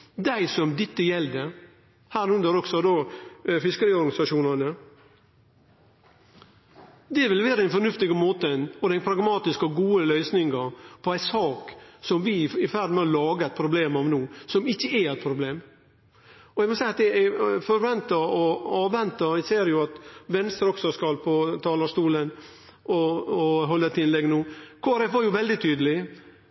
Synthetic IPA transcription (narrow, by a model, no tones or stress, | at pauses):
d̪æɪsɔmd̪ɪt̪ːəjɛld̪ɛ | hæːɾʉnd̪əɾɔksɔd̪oːfɪskəɾiːɔɾɡɑnɪsɑʂuːnɑnə | d̪ɛʋɪlʋæːɾəɛnfɔnʉft̪ɪɡəmoːt̪ənɔd̪ɛnpʰɾɑɡmɑːt̪ɪskɔɡuːəlœʏsnɪŋəpʰɔæɪsɑːksɔmʋɪɪfæɾd̪mɛɔlɑːɡəæɪt̪̚pʰɾʊbleːmɑʋnuːsɔmɪçːəæɛt̪̚pʰɾʊbleːm | ɔɛɡmɔsæɪɑt̪ɛɡfɔɾʋɛnt̪əɔɑːʋɛnt̪əɪseːɾjʊɑt̪ʋɛnst̪ɾəɔksɔskɑlpʰɔt̪ʰɑːlɑʂst̪uːlən | ʔɔːɦɔlːəɛt̪ʰɪnlɛɡnuːkʰoːæɾɛfʋɑɾjʊʋɛld̪ɪt̪ʰyːd̪əlɪ